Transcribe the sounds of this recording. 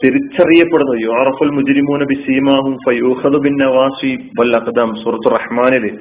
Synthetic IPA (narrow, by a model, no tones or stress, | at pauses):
t̪iɾit͡ɕːɐrijːɐpːeɽunːɐðjuʕɾɐfɐlmʊd͡ʒɾimuːnɐbisiːmaːɦumfɐjuːxɐðubɪnːɐwaːsiwɐlʔɐqd̪aːmsuːɾɐt̪ːurːɐħmaːnile